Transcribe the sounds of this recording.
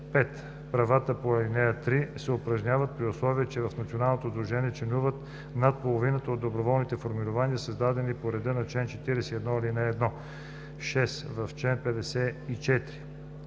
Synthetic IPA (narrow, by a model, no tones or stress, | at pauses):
pɛt̪ | pɾɐvat̪əpoɛlinɛjət̪ɾisɛʊpɾɐʒnʲavət̪̚pɾiʊslˠɔviət͡ʃɛvɐfnɐt̪sionalˠnot̪od̪ɾuʒɛniɛt͡ʃɛnuvət̪ | nat̪̚polˠovinət̪əod̪ːobɾovɔlˠnit̪ɛfoɾmiɾʊvaniəsəzd̪ad̪ɛnipoɾɛd̪ənɐt͡ʃlɛnt͡ʃɛt̪iɾɛsɛiɛd̪nɔɛlinɛːd̪nɔ | ʃɛsvɐft͡ʃlɛnpɛd̪ɛsɛit͡ʃɛt̪ɾi